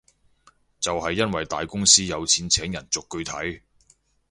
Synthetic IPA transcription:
t͡sɐ˨whɐ˨jːɐ˥nwɐ˨jt̪aː˨jkʊ˥ŋsiː˥jɐ˨˧wt͡sʰiː˨˥nt͡sʰɛː˨˥ŋjɐ˨˩nt͡sʊ˨kːɵ˧ɥt̪ʰɐ˨˥j

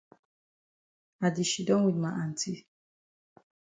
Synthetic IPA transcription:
a˨di˨ʃi˨dɔ˦wi˨dma˨ʔa˨n̩˨tʰi˦

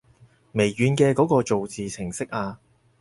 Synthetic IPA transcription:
me˨˩jɥyː˨˧nkɛː˧kɔː˨˥kɔː˧t͡so˨wt͡siː˨t͡sʰɪ˨˩ŋsɪ˥k̚ʔaː˧

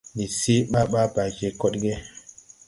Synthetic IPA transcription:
ni˨si˦ɓa˦ɓa˦ba˨ɡe˨kɔ˦ɗɡe˦

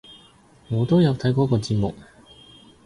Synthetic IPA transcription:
ŋɔː˨˧t̪o˥wjɐ˨˧wt̪ʰɐ˨˥jkɔː˨˥kɔː˧t͡siː˧t̚mʊ˨k̚

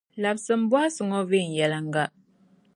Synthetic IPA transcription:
la˨p̚sə˨m̩˦bwa˦sə˨ŋɔ˦vi˦˨n˨jɛ˨la˨ŋɡa˦˨ʔ

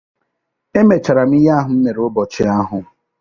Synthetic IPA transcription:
e˦me˨t͡ʃa˨ɾa˨m̩˦i˦ja˦ɦʊ˨m̩˦me˨ɾʊ˦bɔ˨t͡ʃɪ˨a˦ɦʊ˨

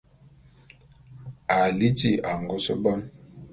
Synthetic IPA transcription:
a˨li˦ti˦˨a˨ŋɡɔ˦so˦bɔ˦n

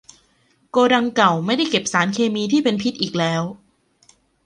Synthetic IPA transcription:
koː˧da˧ŋka˨˩wma˥˩jda˥˩jke˨˩p̚saː˩˦nkʰeː˧miː˧t̪ʰiː˥˩pe˧npʰi˦˥t̪̚ʔiː˨˩k̚lɛː˦˥w

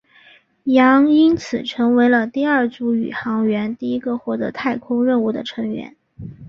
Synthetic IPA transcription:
jɑ˧˥ŋi˥nt͡sʰɹ̩˨˩ʈ͡ʂʰɤ˧˥ŋwe˧˥ɪlə˧t̪i˥˧ɐ˞˥˧t͡su˧˥y̰˨˩xɑ˧˥ŋɥɛ˧˥nt̪i˥˩i˥ɡə˧xwɔ˥˩t̪ɤ̰˧˥t̪ʰa˥˩ɪkʰʊ˥ŋɻə˥˧nu˥˩d̪ə̰˩ʈ͡ʂʰɤ˧˥ŋɥɛ̰˧˥n

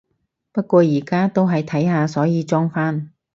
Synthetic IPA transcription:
pɐ˥t̚kʷɔː˧jiː˨˩kaː˥t̪o˥wɦɐ˨jt̪ʰɐ˨˥jɦaː˨˧sɔː˨˥jiː˨˧t͡ʃɔː˥ŋfaː˥n

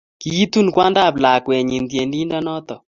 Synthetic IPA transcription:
ki˦i˦t̪u˦nkwa˦nda˦˨pla˨kwɛ˨ɲi˨nd̪je˨ndi˦nda˦nɔ˦t̪ɔ˨

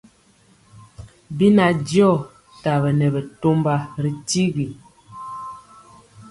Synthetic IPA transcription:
bi˦na˨djɔ˦˨ | ta˨bə˨nɛ˨bə˨to˦mba˦ɾi˨ti˦ɡi˨

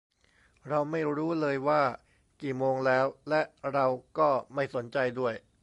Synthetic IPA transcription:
ɾa˧wma˥˩jɾuː˦˥lɤː˧jwaː˥˩ | kiː˨˩moː˧ŋlɛː˦˥wlɛ˦˥ʔɾa˧wkɔː˥˩ma˥˩jso˩˦nt͡ɕa˧jdu˥˩əj

